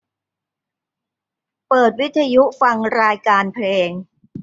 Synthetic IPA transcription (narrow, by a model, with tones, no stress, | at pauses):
pɤː˨˩t̪̚wi˦˥t̪ʰːa˧ju˦˥fa˧ŋɾaː˧jkaː˧npʰleː˧ŋ